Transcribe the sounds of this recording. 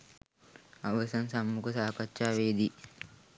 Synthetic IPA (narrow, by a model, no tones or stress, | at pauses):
ɐʋɐsɐnsɐmːukɐsaːkɐt͡ʃʃaːʋeːd̪i